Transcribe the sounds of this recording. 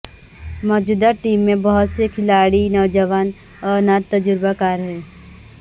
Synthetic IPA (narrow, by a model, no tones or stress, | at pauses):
mɔːd͡ʒuːd̪aʈiːmːẽbɔɦʊt̪sekʰɪlaːɽinɔːd͡ʒəʋaːn | ɔːɾnat̪ːɐd͡ʒʊɾbakaːɾɦɛː